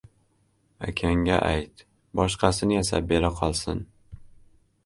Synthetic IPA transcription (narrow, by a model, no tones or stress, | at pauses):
a̰kʲʰaŋɡʲa̰ʔa̰jt̪ | bɒʃqʰɑsɪnɪjasa̰p̚be̞ɾaqʰɒlˠsɪn